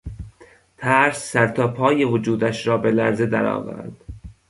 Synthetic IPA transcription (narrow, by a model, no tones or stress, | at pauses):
t̪ʰæɾsːæɾt̪ʰɒːpʰɒːjevod͡ʒuːd̪æʃɾɒːbe̞læɾze̞d̪æ̰ɾɒ̰ːvæ̰ɾd̪̥